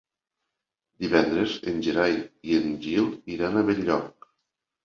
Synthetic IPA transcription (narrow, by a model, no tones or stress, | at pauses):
d̪iβɛnd̪ɾezenʲʒeɾajienʒilˠiɾanaβeʎːɔk̚